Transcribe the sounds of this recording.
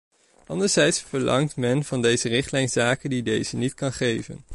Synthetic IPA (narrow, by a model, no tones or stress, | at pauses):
ʔɑndəɹz̥ɛjtsfəɹlɑ̰ŋtmɛnv̥ɑndejzərɪχtlɛjnz̥aːkədidejz̥ənitkɑnχejvə̰n